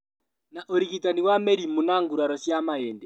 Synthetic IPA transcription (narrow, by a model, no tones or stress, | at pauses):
naʔoɾiɣitaniwamɛɾimunaŋɡuɾaɾɔsjamaɛndɛ